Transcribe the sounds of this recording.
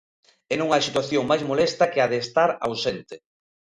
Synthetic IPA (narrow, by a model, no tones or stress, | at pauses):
ɛnõŋajsit̪waθjoŋmajzmolɛst̪ɐkɪaðeːst̪aɾa̰wsent̪ɪ